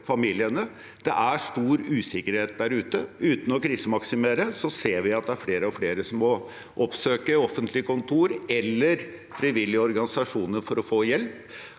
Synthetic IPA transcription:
fɑmiːlɪənə | d̪̥ɛ̰ʔæʂʈ̪uːɾʉːsɪkːəɾheːt̪̚d̪æɾʉːt̪əʉːt̪n̩ɔkʰɾiːsəmɑksɪmeːɾəsɔseːɾʋɪɑt̪̚d̪ɛæɾfleːɾəɔfleːɾəsɔmːɔ | ʔɔpsøːkəɔfənt̪ʰlɪkʰʊnt̪ʰuːɾɛlːəɾ | fɾiʋɪlːɪəɔɾɡɑnɪsɑʂuːnəɾfɔɾɔfoːjɛlp

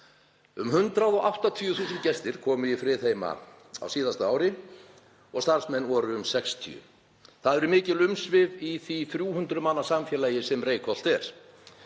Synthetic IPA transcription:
ʏmɦʏnt̪ɾaðɔɣʔawht̪at̪ʰiʏθuːsʏnt̪cɛst̪ɪɾ̥kʰɔːmʏifɾɪːθeːjma̰ | a̰wsiːðast̪aaːwɾɪ | ɔɣst̪aɾ̥smɛnːɔːɾʏʏmsɛkst̪ʰḭʏ̰ | θaðɛɾʏmɪːcɪlʏmsvɪviθiθɾjuːhʏnt̪ɾʏmanːḁsamfjɛːlajɪsɛmreːjkʰɔl̥t̪ɛɾ̥

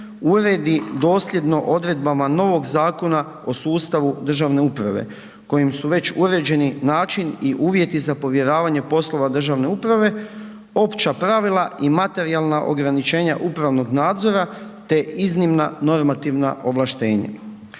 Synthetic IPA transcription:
uɾe̞d̪id̪o̞ːslʲe̞d̪no̞ʔo̞d̪ɾe̞d̪̚bamano̞ʋo̞ɡzaːko̞na | o̞suːst̪aʋud̪r̩ʒaʋne̞upɾaʋḛ | ko̞jimsuʋe̞t͡ɕuɾe̞d͡ʑe̞ninaːt͡ʃiniʔuːʋje̞t̪izapo̞ʋje̞ɾaːʋaɲe̞po̞slˠo̞ʋad̪r̩ʒaʋne̞upɾaʋe̞ | o̞pt͡ʃapɾaʋilˠaʔimat̪e̞ɾialˠnaʔo̞̰ɡɾanit͡ʃe̞ːɲa̰ʔupɾaʋno̞ɡnaːd̪zo̞ɾat̪e̞ʔiznimnano̞ɾmat̪iʋna̰ʔo̞ʋlaʃt̪e̞ːɲa̰

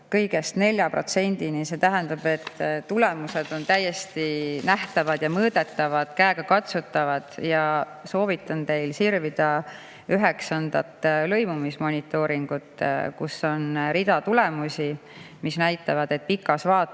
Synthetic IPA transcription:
kɤjɡe̞st̪ne̞lʲjɑpro̞̰t̪se̞nʲd̪̥inise̞t̪æɦænd̪̥ɑb̥e̞t̪ːt̪ule̞muse̞d̪̥o̞nt̪æjːe̞st̪inæht̪ɑvɑd̪̥jɑmɤːd̪̥e̞t̪ːˑɑvɑd̪̥kæeɡ̥ɑkɑt̪sut̪ːˑɑvɑd̪̥jɑ | so̞ːvit̪ˑːɑnt̪e̞jlsirvid̪̥ɑ | yɦe̞ksɑnd̪̥ɑt̪ːlɤ̞jmumismo̞nʲit̪ːˑo̞ɾiŋɡ̥ut̪ˑkṵso̞nɾid̪̥ɑt̪ule̞musʲi | misnæjt̪ːˑɑvɑd̪e̞t̪̚pikːˑɑsvɑːt̪

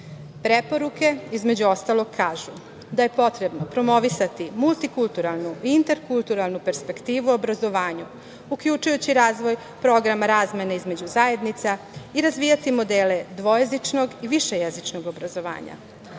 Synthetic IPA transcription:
pɾepo̞ɾuke̞izme̞d͡ʑuo̞st̪alo̞ɡkʰaːʒu | d̪aje̞po̞t̪ɾe̞bnopɾo̞mo̞ʋisat̪imulˠt̪ikulˠt̪uɾalˠnuiint̪eɾkulˠt̪uɾalˠnupe̞ɾspe̞kt̪iːʋuobɾazo̞ʋaːɲu | ukʎut͡ʃujut͡ɕiɾaːzʋo̞j | pɾo̞ɡɾamaɾaːzme̞neizme̞d͡ʑuzaje̞d̪nit̪sa | iɾazʋiːjat̪imo̞d̪eːle̞d̪ʋo̞jezit͡ʂno̞ɡiʋiʃe̞jezit͡ʂno̞ɡo̞bɾazo̞ʋa̰ːɲa̰

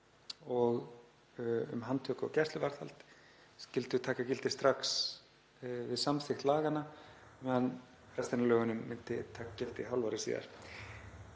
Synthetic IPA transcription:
ɔɣ | ʏ̰mɦant̪ʰœːkʏɔ̰wcɛst̪lʏvaɾ̥θha̰lt̪ | scɪlt̪ʏt̪ʰaːkacɪlt̪ɪst̪ɾaks | vɪðsamθɪxt̪laːɣanːa | n | fɾɛst̪analœːɣʏnʏmːɪnt̪ɪt̪ʰaːkḁcɪlt̪ɪɦawlvaɾɪsḭːða̰ɾ̥

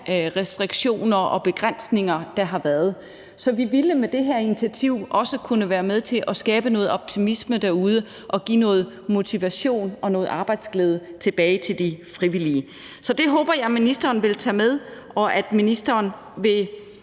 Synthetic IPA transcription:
ʁɛsd̥ʁiɡ̥ɕo̝̰ːnɐʔɒ̽b̥e̝ɡ̥ʁan̰sne̝ŋɐd̥ɑ̈ɦɑ̈ʋæːɐð̞ˠ | sɒ̽ʋiʋiləmed̥e̝ɦæɐinit͡sʰiæt͡sʰiʊ̰ʔɒ̽səkʰunəʋæːɐmeð̞ˠt͡sʰe̝ʔɒ̽sɡ̥ɛːb̥ənɔ̽ːð̩ˠɒ̽b̥̚t͡sʰimisməd̥æɐuð̞ˠə | ʔɒ̽ɡ̥ḭːnɔ̽ːð̞̩ˠ | mo̝t͡sʰiʋæɕo̝̰ːnɒ̽nɔ̽ːð̩ˠɑ̈ːb̥ɑ̈ɪd̥sɡ̥leːð̞ˠət͡sʰe̝b̥ɛːɪt͡sʰe̝ld̥ifʁiʋiliə | sɒ̽d̥e̝ɦɔːb̥ɐjɑ̈ɪminisd̥ɐːnʋe̝lt͡sʰɛ̰ːmeð̞ˠ | ɒ̽ʔæd̥minisd̥ɐːn | ʋe̝

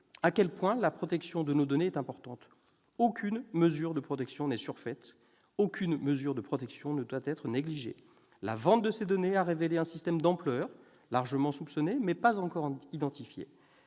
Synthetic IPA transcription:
akʲɛlpwɛ̃lapχɔt̪ɛksjɔ̃d̪ənod̪ɔneɛt̪ɛ̃pɔʁt̪ɑ̃t̪ | okʲʰynməzyʁd̪əpχɔt̪ɛksjɔ̃nɛsyʁfɛt̪ | okʲʰynməzyʁd̪əpχɔt̪ɛksjɔ̃nəd̪wat̪ɛt̪χəneɡliʒḛ | la̰vɑ̃t̪̚d̪əsed̪ɔneaʁeveleɛ̃sist̪ɛmd̪ɑ̃plœʁ | laʁʒəmɑ̃supsɔnemɛpazɑ̃kɔʁid̪ɑ̃t̪ifjḛ

